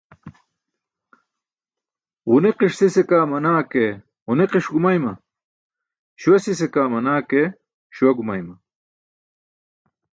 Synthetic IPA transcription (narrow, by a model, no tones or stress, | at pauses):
ʁuneqiʂsisekaːmɐnaːke | uneqiʂɡumajmɐ̰ | ɕuwɐsisekaːmɐnaːke | ɕuwɐɡumajmɐ